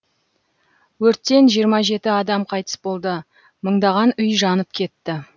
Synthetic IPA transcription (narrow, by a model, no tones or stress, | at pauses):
wɵɾt̪ːe̞nʒijəɾmɑʒe̞t̪ɪɑd̪ɑmqʰɑjt̪ə̥sbo̞lˠd̪ə | məɴd̪ɑʁɑnʏjʒɑnəp̚kʲʰe̞t̪ːɪ